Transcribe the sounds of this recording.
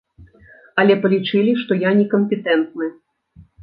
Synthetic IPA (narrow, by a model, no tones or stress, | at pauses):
ɐlʲɛpɐlʲit͡ʂɨlʲiʂt̪ɔjanʲɛkɐmʲpʲɛt̪ɛnt̪̚nɨ